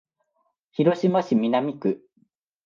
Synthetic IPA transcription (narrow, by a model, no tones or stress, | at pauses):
çiɾoɕimaɕimʲinamʲikɯ̟